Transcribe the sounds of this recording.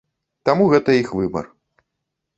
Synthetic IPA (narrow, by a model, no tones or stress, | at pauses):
t̪amuɣɛt̪ɐixvɨbɐ̰r